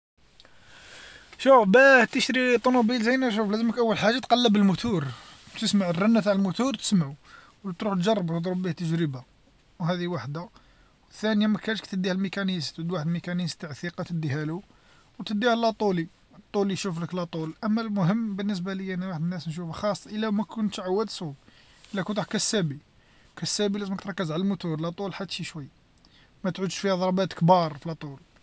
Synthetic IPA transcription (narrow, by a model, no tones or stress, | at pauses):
ʃufbæt̪əʃɾit̪ˤːonubilzæjnæʃ̬uflæzəməkʔəwːəlħaʒːat̪qɑlːəbəlmʊt̪uɾt̪əsmaʕərːænːæt̪aʕəlmʊt̪uɾt̪ə̥smaʕu | wt̪ɾuħt̪ʒɑrˤːɑbt̪d̪ˤɾˤubːiht̪ːəʒɾəba | wɦæd̪iwaħd̪a | wəθːænəjæmækæʃkt̪əd̪ːihælmikænist̪əd̪waħəd̪mikænist̪aʕθiqɑt̪əd̪ːihælu | wt̪əd̪ːihælːæt̪ˤuli | t̪ˤːuliʃufləklæt̪ˤulʔəmːælmʊɦəmːbənːəs̬bæləjænæwaħəd̪ənːæsnʃ̬ufxɑsˤːʔəlːæmækʊnt̪ʕawːæd̪su | ʔəlːækʊnt̪ħkæsːæbi | kæsːæbilæzəməkt̪ɾˤɑkːəzʕaləlmʊt̪uɾlæt̪ˤulħat̪ːʃiʃwəjː | mæt̪ʕud̪ʃfihæd̪ˤɑɾˤbæt̪kbɑɾˤfilt̪ˤul